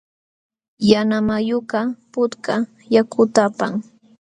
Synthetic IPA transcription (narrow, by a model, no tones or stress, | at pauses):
janamajoɢɑpʊt̪ka | jakʊt̪apaŋ